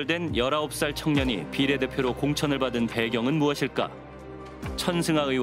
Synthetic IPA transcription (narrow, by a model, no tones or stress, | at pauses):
ɭdwe̞njʌɾaop̚s͈aɭt͡ɕʰʌŋɲʌɲḭpiɾe̞de̞pʰjoɾokoŋt͡ɕʰʌnɯɭbadɯnpe̞ɡjʌŋɯnmuʌɕʰiɭk͈a̰ | t͡ɕʰʌnsʰɯŋaɯ